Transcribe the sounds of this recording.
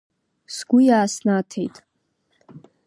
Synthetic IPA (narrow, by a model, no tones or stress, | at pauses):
sɡʷʊjaːsnatʰe̞̰jtʼ